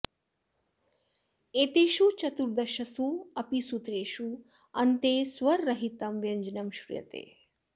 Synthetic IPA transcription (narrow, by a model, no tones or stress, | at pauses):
eːt̪eːʃut͡ʃɐt̪uɾd̪ɐʃɐsuɐpisut̪ɾeːʃu | ɐnt̪eːswɐɾːɐɦit̪ɐmʋjɐnd͡ʒnɐmʃɾṵjɐ̰t̪ḛː